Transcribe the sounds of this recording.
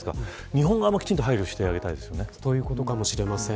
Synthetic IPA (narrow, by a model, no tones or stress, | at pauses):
sɨ̥ka̰ | ɲ̟iɦõ̞ŋɡaamːakʲt͡ɕĩnt̪oɦaiɾʲoɕi̥t̪e̞aɡe̞t̪aid̪e̞sɨjo̞ne̞tojɯ̟ːko̞t̪o̞kamo̞ɕiɾe̞masẽ